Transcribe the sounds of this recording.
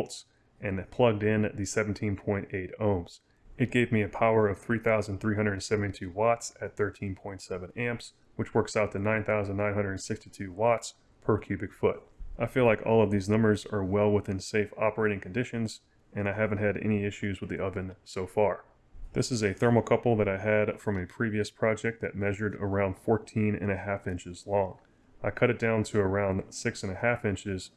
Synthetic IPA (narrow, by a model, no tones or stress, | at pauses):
lˠts | ʔɨ̃npʰl̥ʌɡ̚dɪ̃nɨt̚ðɨsɛvn̩tʰĩnpʰɔ̃ɪ̃nteɪɾõʊ̃mz̥ | ɨt̚ɡ̥eɪvmiɨpʰaʊə˞ʌv̥θɹiθaʊz̃n̩θɹiɦʌ̃ndɾ̃n̩sɛṽntitʰʉwɑtsɨt̪̚θɜ˞tʰĩnpʰɔ̃ɪ̃ntsɛvɨ̃næ̃mps | wɨt͡ʃwɜ˞ksaʊt̪̚ɨnãɪ̃nθaʊz̃n̩nːãɪ̃nɦʌ̃ndə˞dnsɪkstitʰʉwɑts | pʰə˞kʰj̥ʉbɨkfʊt̚ʔaɪfilaɪkɔ̰lˠʌvðiznʌ̃mbə˞zə˞wɛlˠwəθɪ̃nseɪfɑ̰pə˞eɪɾɪ̃ŋkʰn̩dɪʃɨ̃nz | ɨ̃ñaɪɦævɨ̃n̩t̚ɦɨɾɛ̰ñiɪʃʉzwəðiʔʌvɨ̃nsoʊfɑɹ | ðɪsɨzɨθɜ̃˞ml̩ˠkʰʌpl̩ˠðɨɾaɪɨdfɹʌ̃mɨpʰɹ̥iviɨspʰɹ̥ɑd͡ʒɛk̪̚ðɨ̰t̚mɛʒə˞ɾə̰˞ãʊ̃nd̥fɔɹtʰĩnɨ̰̃ɾ̃ɨɦæfɪ̃nt͡ʃɨzlɔ̃ŋ | ʔaɪkʰʌɾɨt̚d̥ãʊ̃ntʰɨː˞ãʊ̃ndsɪksɨ̃nɨhæfɪ̃nt͡ʃɪz̥